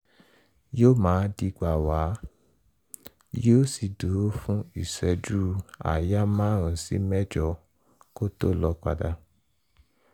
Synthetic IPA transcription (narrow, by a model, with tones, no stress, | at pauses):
joː˦mãː˨˦di˨˧ɡ͡ba˨wa˨˦ | joː˦si˧˨do˨˦fũ˦i˦˨sɛ˧d͡ʒu˦a̰˨ja˦mãː˦˨ɾ̃ũ˧˨sḭ˦mɛ˦d͡ʒɔ˧˨ | ko˦to˦˨lɔ˧˦k͡pa̰˧da˧˨